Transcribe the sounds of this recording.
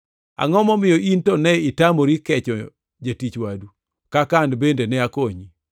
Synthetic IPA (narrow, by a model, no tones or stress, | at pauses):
a̰ŋɔmɔmɪjɔʔintɔnɛɪtamoɾikɛt͡ʃɔ | d͡ʒatit͡ʃwadu | kakandbendenɛakoɲi